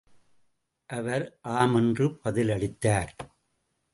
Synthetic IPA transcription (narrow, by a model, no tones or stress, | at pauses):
ʔɐʋɐɾʔaːmɛndrɯpɐðɪlɐɭɪt̪ːaːɾ